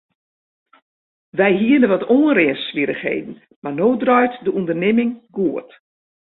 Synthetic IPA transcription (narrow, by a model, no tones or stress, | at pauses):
ʋɛjɦiədəʋɔtoːənrɪənsʋiɾəxhḛːdn̩ | manoːdrœɥtdəʔundərnɪmɪŋɡuət